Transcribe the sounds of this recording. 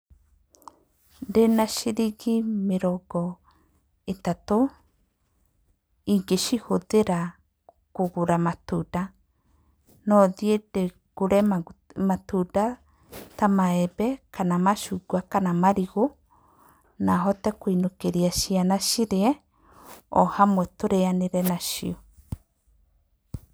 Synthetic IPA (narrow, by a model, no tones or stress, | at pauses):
ɾenaʃiɾiɡimeɾɔɡɔ | etato | iɡeʃihoðeɾa | koɣoɾamatuda | nɔðjeɾe | ɡ̥oɾɛmmatuda | tamaɛbɛkanamaʃuːɡuakanamaɾiɣo | naɦɔtɛkwinokeɾiaʃianaʃiɾeɛ | ɔhamwɛtoɾeaneɾɛnaʃḭo